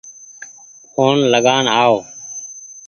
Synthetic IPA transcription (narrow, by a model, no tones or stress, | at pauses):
kʰoːnləɡaːɳɦaːoː